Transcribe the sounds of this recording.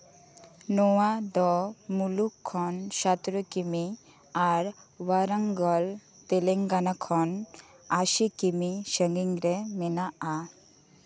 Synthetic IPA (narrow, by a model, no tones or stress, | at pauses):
nɔwad̪ɔmulukʰːɔnʃat̪ɾokimi | aɾwaɾaŋɡɔlt̪eleŋɡanakʰɔn | aʃikimiʃəŋɡiŋɾemenaa